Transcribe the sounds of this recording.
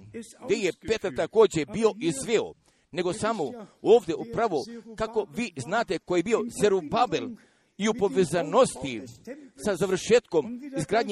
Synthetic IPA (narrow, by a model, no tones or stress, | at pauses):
ɡd̪eje̞pe̞t̪aɾt̪ako̞ːd͡ʑe̞bio̞ʔizʋeo̰ | ne̞ɡo̞samooːʋd̪ʲeupɾaʋokako̞ʋiːznaːt̪e̞kojebio̞seɾubabel | iupo̞ʋezano̞st̪isazaʋr̩ʃeːt̪ko̞mizɡɾaːd̪ɲ